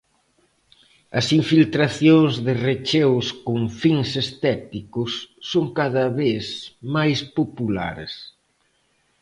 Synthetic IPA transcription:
ɐsiɱfilt̪ɾaθjoŋzðɪret͡ʃɛwskoŋfiŋsest̪ɛt̪ikʊsːoŋkaðɐβeθmajspopula̰ɾḛs

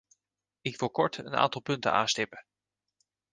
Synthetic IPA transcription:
ɪkʋɪlˠkɔɹtə̰na̰ːntɑlˠpɵntə̰na̰ːnstɪpə

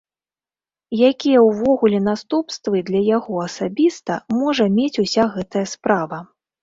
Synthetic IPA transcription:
jakʲijɛwvɔɣulʲɛn̪ast̪upst̪vɨd̪lʲɐjaɣɔɐsabʲist̪ɐmɔʐɐmʲet͡sʲusʲaɣɛt̪ɐjɐspɾavɐ

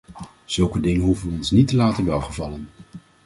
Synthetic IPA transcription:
z̥ɵlˠkədɪŋənɦuvəʋəɔnsnitəlaːtənʋɛlˠχəvɑlən

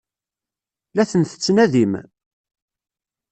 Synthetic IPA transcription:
læθənθə̥t͡sːnæðim

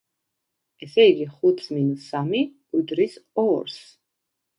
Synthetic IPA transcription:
ɛsɛiɡiχut̪ʰsminusami | ud̪ɾisɔɾs

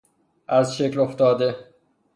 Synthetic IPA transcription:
ʔæzʃekloft̪ɒːd̪e̞

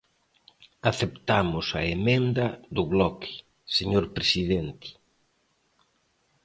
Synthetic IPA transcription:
aθept̪amʊsɐemẽnd̪ɐðʊβlɔkɪ̥ | seɲoɾpɾesiðent̪ɪ̥

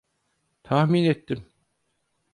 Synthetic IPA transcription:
t̪ʰahminet̪ʰːim

